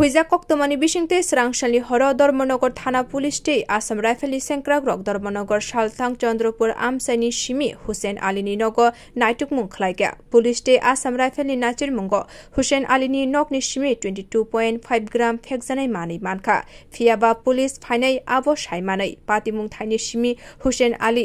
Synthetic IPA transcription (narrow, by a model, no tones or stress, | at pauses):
ɦujzakɔk̚t̪omanibiʃiŋt̪esɾaŋʃaliɦɔɾɔd̪ɔɾmɔnɔɡɔɾt̪ʰanapulisʈejʔasamɾajpʰeliseŋkɾaɡɾɔk̚d̪ɔɾmɔnɔɡɔɾʃalt̪ʰaŋkt͡ɕɔnd̪ɾopuɾa̰msajniʃimihusenʔa̰lininɔɡɔ | najʈukmuŋkʰalajka̰pulisʈeʔasamɾajpʰelninat͡ɕiɾmuŋɡɔ | husenʔa̰lininɔkniʃimitwenʈiʈupɔjenʈpʰajbɡɾampʰekzanajmanɯjmankʰa̰pʰijabapulispʰajnaja̰bɔʃajmanɯjpat̪imuŋt̪ʰajniʃimihusena̰li